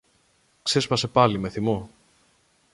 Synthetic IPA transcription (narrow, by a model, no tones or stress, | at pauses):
kse̞spɐse̞pɐlime̞θimo̞